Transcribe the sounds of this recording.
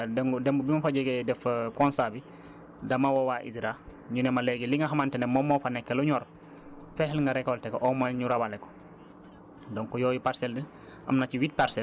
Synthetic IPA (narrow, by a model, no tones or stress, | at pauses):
dɛŋɡudɛmbubimɐfaɟɛɡɛdɛfkɔnsabi | dɐmawɔwaʔḭsiɾaɲunɛmɐlɛɡiliŋɐxɐmantɛnɛmɔmːɔːfanɛkːɛluɲɔːɾ | fɛhɛlŋɡaɾɛkːɔltɛkːɔʔɔmaɲuɾabalɛkɔ̥ | dɔŋkɔjɔːjupaɾsɛldi | ʔɐ̰mnat͡ʃiwit̚paɾsɛ